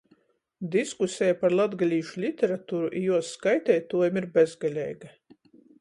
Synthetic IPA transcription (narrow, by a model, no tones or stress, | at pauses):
d̪iskusʲɛjapaɾlˠad̪ɡalʲiːʃulʲit̪ʲɛɾat̪uːɾuʔijuɔsːkajt̪ɛjt̪uɔjamiɾbʲezɡalʲɛ̰jɡa